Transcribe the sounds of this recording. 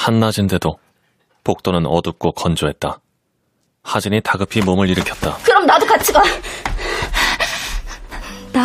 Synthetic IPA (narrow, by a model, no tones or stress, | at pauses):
hanːad͡ʑinde̞do | pok̚t͈onɯnʌdɯp̚k͈okʌnd͡ʑoɦe̞t̚t͈a | had͡ʑinitaɡɯpʰimomɯɭiɾɯkʰjʌt̚t͈akɯɾʌmnadokat͡ɕʰiɡa